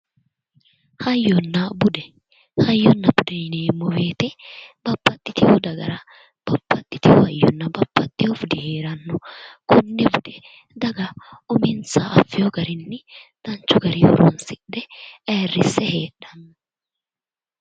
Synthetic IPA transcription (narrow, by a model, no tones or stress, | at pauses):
hɐjːɔnːɐbʊd̪ɛ | hɐjːɔnːɐbʊd̪ɛjneːmːɔbe̞ːt̪ɛb̥ɐbːɐt̪ʼːɪt̪ɪjod̪ɐɡɐ̰ɾɐ | b̥ɐbːɐt̪ʼːɪt̪ɪjohɐjːɔnːɐbɐpːɐt̪ʼːɪjɔfʊd̪ɪhe̞ːɾɐnːɔkʰɔnːɛbʊd̪ɛ | d̪ɐɡɐʊmɪnsaʔɐfːɪjɔɡɐɾɪnːɪd̪̥ɐnt͡ʃːʊɡɐɾɪɔ̰ɾɔnsɪᶑɛeːrːɪsːɛheːɗɐnː